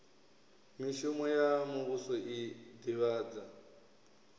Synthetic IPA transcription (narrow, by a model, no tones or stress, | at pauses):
miʃumɔjamuβusɔʔid̪iβaːd͡za